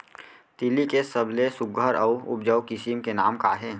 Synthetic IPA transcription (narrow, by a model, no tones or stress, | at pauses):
t̪ɪlikesəblesʊɡʱəɾəʊʊp̚d͡ʒəwkɪsimkenaːmkaːɦeː